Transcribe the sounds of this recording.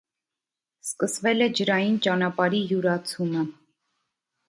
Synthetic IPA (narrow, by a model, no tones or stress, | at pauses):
skəsvɛlɛd͡ʒəɾɑjint͡ʃɑnɑpɑɾijuɾɑt͡sʰumə